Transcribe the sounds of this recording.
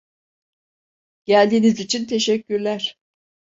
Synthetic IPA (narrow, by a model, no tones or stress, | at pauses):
ɟ̥ælʲd̪iːnizit͡ʃʰint̪ʰe̞ʃɛcʰːyɾlʲæɾ̥